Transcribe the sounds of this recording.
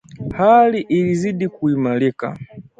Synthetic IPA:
haliʔiliziɗikuimalika̰

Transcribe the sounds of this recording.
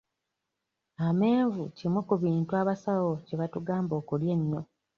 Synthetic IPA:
ame̞ːɱvucimwukuβiːntuaβasawoceβatuɡaːmbo̞ːkuljeɲːo̞

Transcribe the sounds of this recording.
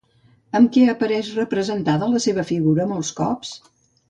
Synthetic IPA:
əmkɛəpəɾɛʃrəpɾəzənt̪aðələseβəfiɣuɾəːməlˠskɔps

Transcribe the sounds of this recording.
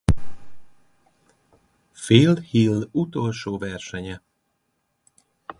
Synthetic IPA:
feːlhilːut̪olʃoːvɛrʃɛɲɛ

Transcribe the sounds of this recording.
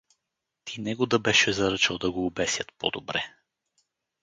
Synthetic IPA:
t̪ʰinɛɡod̪ɐbɛʃɛzɐɾɤt͡ʃɛlˠd̪ɐɡoːbɛsʲjət̪pɔ̰d̪obɾɛ

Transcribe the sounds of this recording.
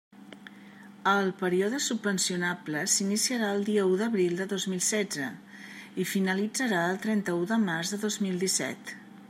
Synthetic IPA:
əlˠpəɾioðəsubvənsiunabləsinisiəɾaəlˠd̪iəuðəβɾilˠd̪əðozmilˠsɛd͡zzə | ifinəlid͡zəɾaəlˠt̪ɾɛnt̪əuðəmarzðəðozmilˠd̪isɛ̰t̪

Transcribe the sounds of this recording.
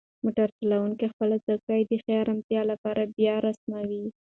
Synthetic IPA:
moʈaɾtalawuŋkexpəlazakajd̪əxjɑɾamt̪jɑlapɑɾabjɑɾasmawi

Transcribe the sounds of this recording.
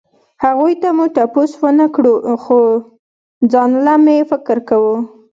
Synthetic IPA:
haɣujt̪amuʈaposwənakɽuxo | d͡zɑnlamjefɪkɪɾkawu

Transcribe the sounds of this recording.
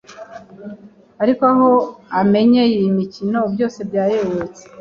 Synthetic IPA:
aɾikoaɦo̞ame̞ɲejimicino̞ubjo̞ːse̞bjaːjoβot͡se̥

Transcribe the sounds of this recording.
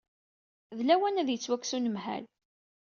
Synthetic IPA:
ðlæwænæðjət͡sːwækːsunəmhæ̰l

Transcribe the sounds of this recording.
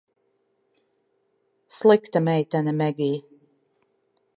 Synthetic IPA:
slˠikt̪amɛjt̪anʲɛmɛɡʲiː

